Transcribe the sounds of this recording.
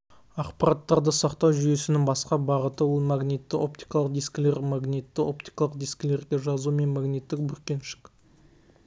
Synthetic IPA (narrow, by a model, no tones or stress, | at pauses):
ɑqpɑɾɑt̪ːɑɾd̪əsɑqt̪ɑwʒʏje̞sɪnɪŋbɑsqɑbɑʁət̪əwolˠmaɡnit̪ːɪʔo̞pt̪ijkɑlˠəq̚d̪ijskʲɪle̞ɾmaɡnit̪ːɪo̞p̚t̪ijkɑlˠəqd̪ijskʲɪle̞ɾɡʲe̞ʒɑzume̞nmɑɡnit̪ːɪk̚bʏɾkʲe̞nʃɪ̥k